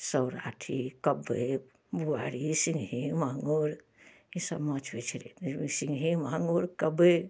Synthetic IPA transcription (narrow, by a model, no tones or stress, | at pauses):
səwɾa̰ʈʰikəbe | buaɾisiŋɡɦimaŋɡoɾ | isəbmət͡ʃʰʋet͡ʃʰiɾḛt̪siŋɡɦimaŋɡuɾkəbe